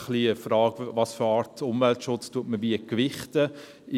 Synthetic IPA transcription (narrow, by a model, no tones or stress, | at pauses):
χliəfɾɑːɡvɑsfʏɑːɾtʊmvɛltʃʊt͡stuətməʋiəkʋɪχtə